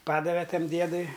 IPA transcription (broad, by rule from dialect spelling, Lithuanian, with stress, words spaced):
ˈpɑːdɐʋʲɛ ˈtɐm ˈdʲiɛdʊɪ